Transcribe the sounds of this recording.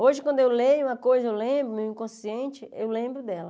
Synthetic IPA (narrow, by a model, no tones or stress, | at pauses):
oʒɪkwɐ̃nd̪ʊewlejũmɐkojzɐewlẽbɾʊmeĩkõsiẽnt͡ʃɪewlẽmbɾʊd̪ɛlɐ